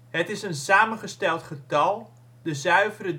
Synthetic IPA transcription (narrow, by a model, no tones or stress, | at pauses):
hətɪsənsaːmənχəstɛlˠtχətɑlˠ | dəzœɥvərə